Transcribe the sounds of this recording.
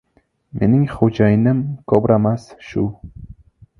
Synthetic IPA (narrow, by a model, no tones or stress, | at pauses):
mʔenɪŋχod͡ʒɑjɪnɪmkʰobɾamasʃu